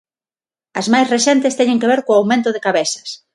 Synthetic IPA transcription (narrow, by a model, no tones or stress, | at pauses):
ɐzmajsresɛnt̪est̪ɛɲẽŋkeβɛɾkoawmẽnt̪ʊðekaβesɐ̥s